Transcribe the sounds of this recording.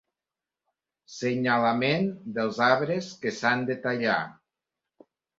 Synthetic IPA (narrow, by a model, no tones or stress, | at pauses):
seɲalamend̪əlˠzaβɾeskesand̪et̪aʎa̰